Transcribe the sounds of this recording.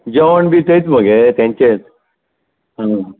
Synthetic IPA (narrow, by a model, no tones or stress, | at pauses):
d͡ʑəʋəɳbiːt̪eit͡sməɡet̪jãɲt͡ɕet͡s | ɦã